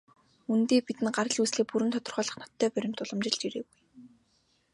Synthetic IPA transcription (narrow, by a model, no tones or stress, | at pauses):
unt̪eːpit̪ɘ̆nɢaɾə̆ɮusɮeːk̚puɾɘ̆nt̪ʰɔt̪ɞ̆rχœːɮə̆χnɔt̪ʰːœːpœɾʲɪ̆m̥t̪ʊɮə̆mt͡ɕɪ̆ɮt͡ɕiɾeːɣuj